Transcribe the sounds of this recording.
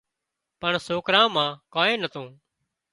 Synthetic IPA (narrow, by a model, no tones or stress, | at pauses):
pəɳsoːkɾãːmãːkaːẽːnət̪õː